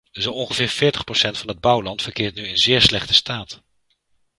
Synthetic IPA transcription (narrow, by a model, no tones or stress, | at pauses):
zoɔnχəvɪːɹfɪːɹtəχprosɛntfɑnɦəd̚bʌwlɑntfəɹkɪːɹtnyənzɪːɹslɛχtə̥staːt